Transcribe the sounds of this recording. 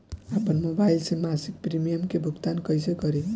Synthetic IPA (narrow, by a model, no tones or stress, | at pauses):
apənmobailsẽmasik̚pɾimijəmkebʱukt̪ankʌjsekʌɾe